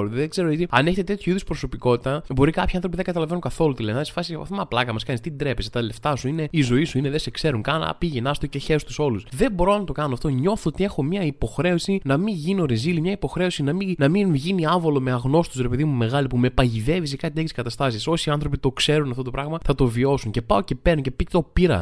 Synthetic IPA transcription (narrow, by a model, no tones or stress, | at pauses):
ɾot̪ðeɡze̞ɾoit̪iɐne̞çet̪et̪e̞t̪çoiðospɾo̞so̞piko̞t̪it̪ɐbo̞ɾikɐpçiɐnθɾop̬iðeɡɐt̪ɐlɐve̞nunkɐθo̞lut̪ilenɐðisfɐsiepɐ̰fθemɐplɐkɐmɐskɐnist̪id̪ɾe̞pest̪ɐle̞ft̪ɐsuine̞izo̞isuineðesekse̞ɾuŋkɐnɐ̰piʝenɐst̪oceçest̪uso̞lusðe̞bo̞ɾo̞nɐt̪o̞kɐnɐft̪o̞ɲo̞θoot̪ie̞xo̞mɲɐipo̞xɾe̞o̞sinɐmiʝinio̞ɾezilimɲɐipo̞xɾe̞o̞sinɐminɐminʝiniɐvo̞lo̞meɐɣno̞st̪usɾepe̞ðimume̞ɣɐlipume̞pɐʝiðe̞vis̬ekɐt̪ieçiskɐt̪ɐst̪ɐsiso̞siɐnθɾo̞pit̪o̞kse̞ɾunɐft̪ot̪pɾɐɣmɐθɐt̪o̞vio̞suŋce̞pɐo̞ce̞peɾnoce̞pit̪o̞piɾɐ̰